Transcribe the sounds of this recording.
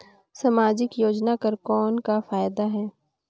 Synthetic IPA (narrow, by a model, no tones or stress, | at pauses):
sɐmaːd͡ʒɪkjoːd͡ʒnakɐɾkɔːnkafaːjd̪aɦɛː